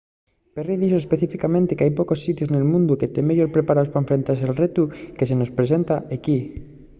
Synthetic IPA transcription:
periðiʃoespeθifikamẽnt̪ekeajpokosːit̪joznelmũnd̪uket̪emeʎoɾpɾepaɾaðospaeɱfɾent̪as̬elret̪ukesenospɾes̬ent̪aeki

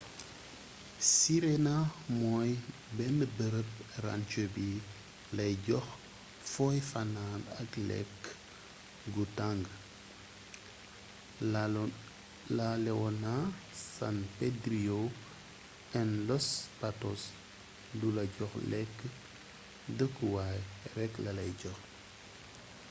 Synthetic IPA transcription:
siɾenamɔj | bɛndəbəɾəp̚ra̰nt͡ʃobi | lɐjɟɔx | fɔjfananɐklɛ̰kː | ɡutaŋɡ | lalɛɔna | sa̰npedɾio | ɛnlɔspatɔs | dulɐɟɔxlɛkː | dəkːwajɾɛkːlɐlɐjɟɔx

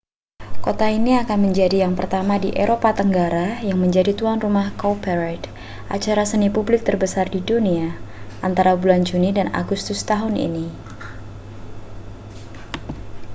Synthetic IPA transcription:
kot̪ainiakanməɲd͡ʒadijaŋpərt̪amadiʔeɾopat̪əŋɡaɾajaŋməɲd͡ʒadit̪uanrumahkopɛɾajt̪ | ʔat͡ʃaɾasənipublɪk̚t̪ərbəsardiduniaʔant̪aɾabuland͡ʒunidana̰ɡust̪ʊst̪aɦʊnḭni

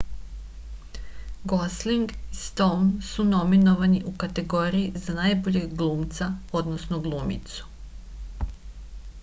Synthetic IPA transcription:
ɡosliŋɡist̪ownsuno̞mino̞ʋaniʔukat̪e̞ɡoɾijizanajboʎeɡɡlˠuːmt̪sao̞d̪nosnoɡlˠuːmḭt̪su̥

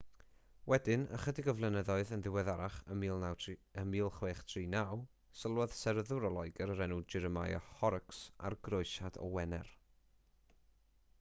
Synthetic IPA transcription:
wɛdɪnə̰χədɪɡɔvlˠɛnəðɔɨðənðɪwɛðaɾaχəmiːlˠnawəmiːlˠχweːχtʰriːnaw | səlˠwɛð̥sɛɾəðʊɾɔlˠɔɨɡɛɾəɾɛnud͡ʒɪɾəmajɔ̰hɔɾəksa̰rɡroɨʃadɔ̰wɛnɛ̰r

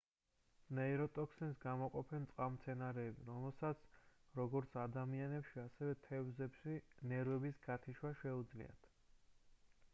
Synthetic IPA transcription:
naɛɾɔt̪ʼɔkʰsɛnsɡamɔqʼɔpʰɛnt̪sʼqʼamt̪sʰɛnaɾɛːbiɾɔmɛlˠsat̪sʰɾɔɡɔɾt̪sʰad̪amianɛpʃiasɛvɛt̪ʰɛvzɛpʃinɛɾwɛbisɡat̪ʰiʃwaʃɛud̪zlḭa̰t̪ʰ

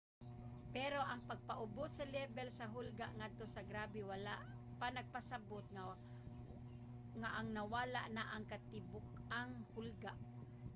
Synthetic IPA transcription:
pɛɾoʔaŋpaɡ̚paʔʊbʊsːɐlɛbɛlsaɦʊlɡaʔŋad̪̚t̪osɐɡɾaːbɪwalaʔ | panɐɡ̚pasabot̪̚ | ŋaʔaŋnawaːla̰ʔnaʔaŋkat̪ɪbʊkaŋhʊlɡaʔ

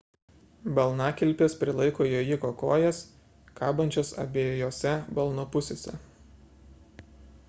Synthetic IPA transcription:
bɐlˠnɑkʲɪlʲpʲeːspʲɾʲɪlˠɐɪkoːjoːjɪkoːkoːjɛs | kɑːbɐnʲt͡ʃʲoːsɐ̰bʲeːjoːjoːsʲɛbɐlˠnopʊsʲeːsʲɛ̰

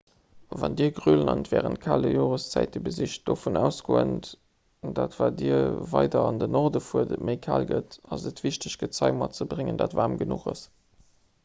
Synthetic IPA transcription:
vɑndiəɐɡʁylənɑntvɛːʁənt̚kʰaːləjoːʁəst͡sæɪt̚dibəziɕt̚d̥ofunæːʊsɡ̥oːənt | daːtv̥aːdiːəɐvɑɪdɐɑndənɔʁdəfuːədətməɪkʰaːlɡətɑzətv̥iɕtəɕɡ̥ətt͡sɑɪmɑt͡səbʀɪŋəndaːtvaːmɡənuχɑs

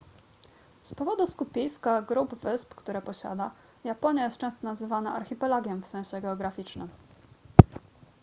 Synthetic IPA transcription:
spɔvɔd̪uskupʲijskaɡɾubvɘspkt̪uɾɛpɔɕa̰d̪a | japɔɲjajɛst̪̚t͡ʂɛ̃w̃st̪ɔnazɘvanaʔaɾxʲipɛlaɡʲjɛmfsɛ̃w̃ɕɛɡɛɔɡɾafʲit͡ʂnɘm

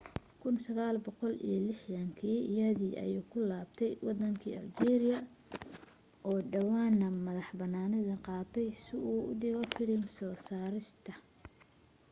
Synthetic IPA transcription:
kʰʊnsɐɣaːlbɔqɔlḭjɞlɪħðɐŋkʰiːɪjɐðiːʔɐ̰juːkʰʊlaːbt̪ʰɛjwɑd̪ɐŋkʰḭːʔɐ̰ld͡ʒɛːɾɪjɐ | ʔɔːɖɐwaːnːɐmɐðɑħbɐnːaːnɐðɐqɑːt̪ʰɛjsɪuːʊ̰dɪɣɐfɪlɪmsɔːsaːɾɪst̪ʰɐ

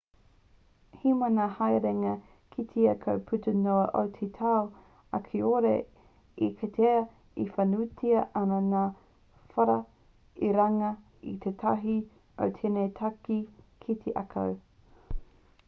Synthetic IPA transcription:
himɐnahajɾeŋɐ | kʰit̪ʰeɐkʰowpʰʉtənoɐʔowt̪ʰet̪ʰaw | ɐ̰kʰeoɾḛ | ikʰɐtʰeɐ | ifɐnutʰiɐʔɐnɐnaː | fɐɾɐ | iɾɐŋɐ | it̪ʰetʰɐɦi | o̰wt̪ʰenejtʰɐki | kʰit̪ʰeʔɐ̰kʰɐ̰w

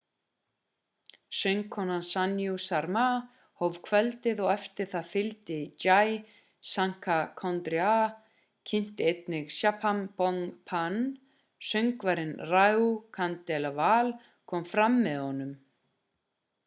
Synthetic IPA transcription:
sœŋkʰɔnansanjusaɾma | howv̥kʰvɛlt̪ɪðɔɣɛft̪ɪɾ̥θaðfɪlt̪ɪit͡ɕaj | saŋ̥kʰakʰɔnt̪ɾia | cʰɪn̥t̪ɪejt̪nɪɣsjapʰanpɔŋpʰan | sœŋkvaɾɪnrajukʰant̪ɛlavaːl | kʰɔːmfɾamːɛðhɔnːʏm

